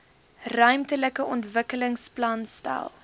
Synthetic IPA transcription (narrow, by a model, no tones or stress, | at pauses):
rœɥmtələkəʔɔntvəkələŋsplɐnstɛ̰lˠ